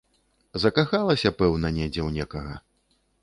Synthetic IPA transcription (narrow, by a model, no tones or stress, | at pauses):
zɐkaxalˠɐsʲɐpɛwnɐnʲɛd͡zʲɛwnʲɛkɐɣɐ